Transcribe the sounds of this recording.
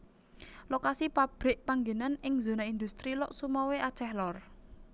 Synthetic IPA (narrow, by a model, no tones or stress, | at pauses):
lokasipab̥ɾɪʔpaŋɡenanɪŋzo̤naind̪ust̪ɾilɔʔsumɔweʔḁt͡ʃɛhlɔr